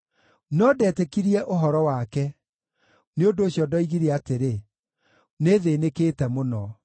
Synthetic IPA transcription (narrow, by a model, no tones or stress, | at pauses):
nɔdɛːtekiɾiɛʔoɦɔɾɔwakɛ | neondoːɕjɔdɔiɣiɾɛateɾe | neðeːnekeːtɛmonɔ